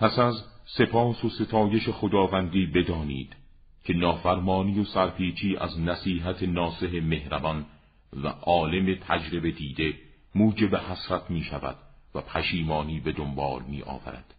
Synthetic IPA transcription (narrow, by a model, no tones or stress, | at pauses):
pʰæsæzse̞pʰɒːsose̞t̪ʰɒːje̞ʃe̞xod̪ɒːvænd̪iːbe̞d̪ɒːniːd̪̥ | cʰe̞nɒːfæɾmɒːnijosæɾpʰiːt͡ʃʰiːʔæ̰znæsiːɦæt̪ʰenɒːse̞ɦe̞me̞hɾæbɒn | væ̰ʔɒːle̞me̞t̪ʰæd͡ʒɾe̞be̞d̪iːd̪e̞ | muːd͡ʒebehæsɾæt̪ʰmiːʃævæ̰d̪̥væpʰæʃiːmɒːniːbe̞d̪ombɒ̰ːlmiːʔɒ̰ːvæ̰ɾæ̰d̪̥